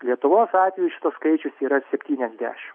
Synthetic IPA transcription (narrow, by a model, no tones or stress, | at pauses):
lʲiɛt̪ʊʋoːsɑːt̪ʲʋʲɛjʊʃʲɪ̥t̪oːskɐɪt͡ʃʲʊsiːɾɐsʲɛpʲt̪ʲiːnʲɛzʲd̪ʲæ̰ːʃʲɪm